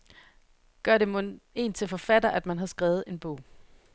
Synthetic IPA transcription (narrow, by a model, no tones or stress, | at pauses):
ɡ̥ɶɐ̰ɾe̝moe̝̰ːnt͡sʰe̝lfɒ̽fæd̥ɐʔæd̥mænɦɑ̈sɡ̥ʁɛːð̞̩ˠe̝nb̥ɔ̰̽ʊ̰